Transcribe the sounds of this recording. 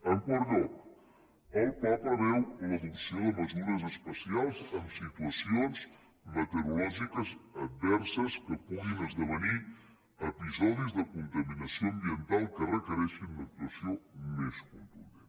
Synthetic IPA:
əŋkɔɾðo | əlpɔpəβɛwləðulsioðəməzuɾəzəspəsialˠzəmsit̪wəsionz | mət̪əɾulɔʒikəzət̪̚bɛɾsəskəpuɣinəzðəβəni | əpizɔðizðəkunt̪əminəsioəmbiənt̪alˠkərəkəɾɛʃinlək̚t̪uəsiomeskunˠt̪uɾə

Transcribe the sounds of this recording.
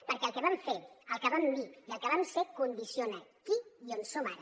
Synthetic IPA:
pəɾkɛəlˠkɛβamfeəlˠkəβambiiəlˠkeβamsekund̪isijonəkiionsomaɾə

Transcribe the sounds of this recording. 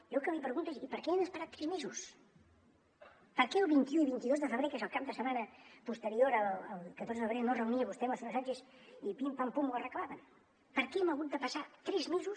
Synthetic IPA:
jolˠkəmipɾəɣunt̪esipəɾkɛend̪əspəɾat̪ːɾɛzmezus | pəɾkɛəlˠβint̪iuiβint̪iðozðəfəβɾekezəlˠkap̚d̪əsəmanəpust̪əɾioɾələlˠkət̪oɾzəðəfβɾenorəuniəβust̪ɛməlsfunəsad͡ʒes | ipimpampumbuərəklaβən | pəɾkɛɛməɣut̪̚d̪əpəsat̪ɾɛzmezus

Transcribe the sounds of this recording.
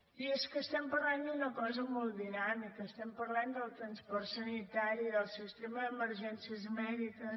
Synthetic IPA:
ieskəst̪ɛmpəɾland̪unəkɔzəmɔlˠd̪inamikəːst̪ɛmpəɾland̪əlˠt̪ɾənspɔrsənit̪aɾiðəlˠsist̪eməðəməɾʒɛnsiəzmɛðikə

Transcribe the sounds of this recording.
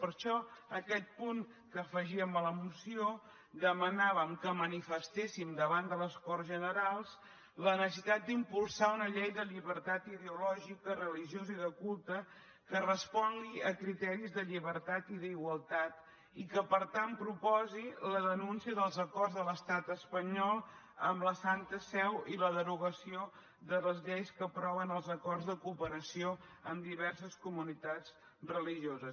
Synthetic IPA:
pəɾʃɔəkɛt̪̚puŋ | kəːfəʒiəmələmusio | d̪əmənaβəmkəmənifəst̪esimd̪əβand̪ələskɔrzʒənəɾalˠs | lənəssəsit̪at̪̚d̪impulˠsaunəʎɛjðəʎiβəɾt̪at̪iðeulɔʒikərəliʒioziðəkulˠt̪ə | kərəspɔŋɡiəkɾit̪ɛɾizðəʎiβəɾt̪at̪iðəiɣwəlˠt̪at̪ | ikəpəɾt̪anpɾupɔziləðənunsiəðəlˠzəkɔrzðələst̪at̪əspəɲɔlˠ | ə̰mləsant̪əsɛwiləðəɾuɣəsio | ðələzʎejskəpɾɔβənəlˠzəkɔrzðəkupəɾəsioəmd̪iβɛrsəskumunit̪at͡s | rəliʒiozəs

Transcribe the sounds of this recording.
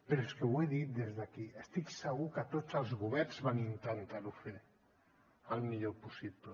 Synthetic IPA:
peɾeskeweðit̪̚d̪ezðakiest̪iksəɣukat̪ot͡salˠzɣuβ̞ɛɾnzβanint̪ant̪aɾufe | almiʎopusipə

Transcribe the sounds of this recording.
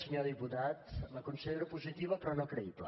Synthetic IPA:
səɲoðiput̪at̪ləkunsəʎeɾupuzit̪iβəpɾɔnokɾəiβlə̰

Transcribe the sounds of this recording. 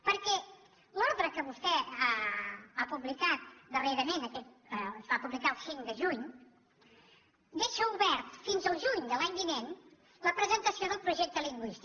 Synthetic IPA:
pəɾkɛ | lɔɾðɾəkəβust̪ɛaapuβlikat̪̚d̪əreɾəmenəkɛt̪̚ | əəzβapuβlikaəlˠsiŋd̪əʒuɲ | d̪eʃəuβɛɾt̪finzəlˠʒuɲd̪əlaɲbinen | ləpɾəzənt̪əsioðəlˠpɾuʒɛk̚t̪əliŋɡwist̪

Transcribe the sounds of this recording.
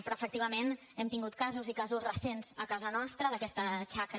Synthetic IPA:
pɾɔəfəkt̪iβəmen | ɛmt̪iŋɡut̪̚kazuzikazuzrəsenz̥əkazənɔst̪ɾəðəkɛst̪ət͡ʃak

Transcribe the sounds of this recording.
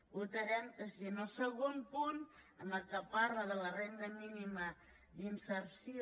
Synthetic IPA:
ut̪əɾɛmkəsiənosəɣonpunənəlˠkəpaɾləðələrend̪əminimə | d̪insəɾsi

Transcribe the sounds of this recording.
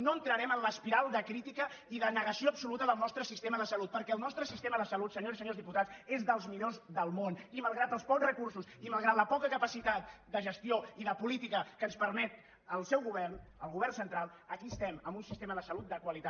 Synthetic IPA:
noənt̪ɾəɾɛmənləspiɾalˠd̪əkɾit̪ikə | iðənəɣəsioəpsulut̪əðəlˠnɔst̪ɾəsist̪eməðəsəlut̪̚pəɾkɛəlˠnɔst̪ɾəsist̪eməðəsəlut̪səɲoɾsisəɲozðiput̪at͡sezðəlˠzmiʎozðəlˠmoniməlˠɣɾat̪əlˠspɔkzrəkursusiməlˠɣɾat̪ləpɔkəkəpəsit̪at̪̚d̪əʒəst̪ioiðəpulit̪ikəkənspəɾmɛt̪ | əlˠsɛwɣuβɛrnəlˠɣuβ̞ɛrnsənt̪ɾalˠ | əkiəst̪ɛməmbunsist̪eməðəsəlut̪̚d̪əkwəlit̪a

